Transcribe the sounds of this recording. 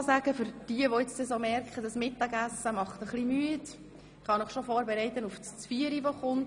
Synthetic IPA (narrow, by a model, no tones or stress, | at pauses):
sæɡ̥əfʏɾd̥iəʋoɪt͡stɛsomɛɾkχəd̥ɑsmɪtːɑɡæsəmɑχtəχlimyət | ɪχhɑnɪχʃofɔːɾbɛɾɛɪtənuftst͡sfiəɾiʋoχʊnt